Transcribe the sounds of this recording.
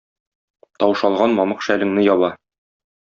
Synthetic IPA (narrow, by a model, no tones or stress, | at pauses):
t̪ɒwʃɑlˠʁɑnmɒmɤqʃælɘ̆ŋnɘjɒβɑ